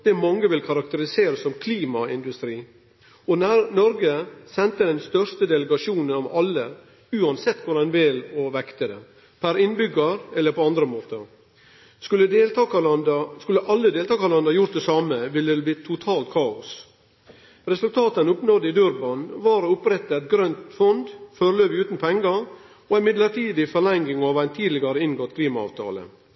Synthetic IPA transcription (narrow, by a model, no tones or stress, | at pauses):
d̪̥ɛmɑŋːəʋɪlkʰɑɾɑkt̪əɾɪseːɾəsːɔmkʰliːmɑɪnd̪ʉst̪ɾiː | ɔnæɾnɔɾɡəsɛnt̪əd̪ɛnst̪œɾst̪əd̪ɛləɡɑʂuːnənɔʋɑlːə | ʉːɑnsɛt̪ːkʰʊɾɛnʋɪlɔʋɛkt̪əd̪ɛ̰ | pʰæɾɪnbʏɡɑɾɛlːəɾpɔɑnd̪ɾəmoːt̪əɾ | skʉlːəd̪elt̪ɑkɑnd̪skʉlːəʔɑlːəd̪eːlt̪ɑːkɑlɛnd̪ɑjʊɾt̪d̪ɛsɑːməʋɪlːəd̪ɛb̪iːt̪ʰʊt̪ʰɑːlt̪̚kʰɑːʊs | ɾɛsʉlt̪ʰɑːt̪ənʊpnɔd̪əɪd̪ʉɾbɑnʋɑːɾəʊpɾɛt̪ːəæɪt̪̚ɡɾœnt̪fɔnd̪føɾløːʋɪʉːt̪n̩pʰɔɛŋɡɑ | ɔæmɪd̪ləʈiːd̪ɪfɔɭɛŋɡɪŋɑʋæɪnt̪ʰiːd̪lɪɡɑɾəɪnɡɔt̪ːkʰliːmɑɑ̰ːʋt̪ʰɑ̰ːlə̰